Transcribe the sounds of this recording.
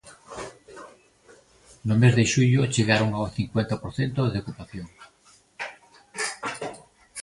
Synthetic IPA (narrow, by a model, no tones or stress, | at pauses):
nʊmezðeʃuʎʊt͡ʃeɣaɾoŋawθiŋkwent̪apoɾθent̪oðeokupaθjoŋ